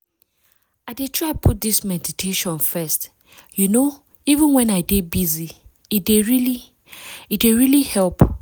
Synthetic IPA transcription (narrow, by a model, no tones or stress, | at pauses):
aɪdetʰɹaɪpʰut̚d̪ismɛditʰeʃɔ̃nfɛst | juno | ivɪ̃nwɛ̃naɪdebizi | ideɹili | ideɹilihɛlp